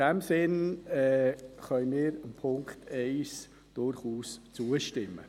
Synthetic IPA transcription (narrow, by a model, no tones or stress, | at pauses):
ɛmsɪnɛχœnnmiːɾənpʰʊŋkteɪs | d̥ʊɾχuːst͡suːəʃtɪmːə̰